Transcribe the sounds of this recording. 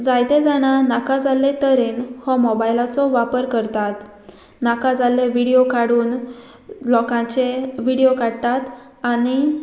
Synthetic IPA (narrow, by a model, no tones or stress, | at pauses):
d͡zajt̪ẽd͡zaɽ̃anakad͡zalːet̪əɾenhɔmɔbajlat͡sɔʋapəɾkəɾt̪at̪ | nakãd͡zalːeʋiɽijokaɽuːn | lɔkãt͡ɕeʋiɽijokaɽt̪at̪ | añi